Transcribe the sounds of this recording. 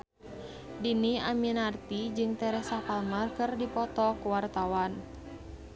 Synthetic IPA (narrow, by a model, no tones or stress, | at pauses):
diniaminart̪id͡ʒɨŋt̪ɛɾɛhsapalmarkɨrdipɔt̪ɔkuwart̪awan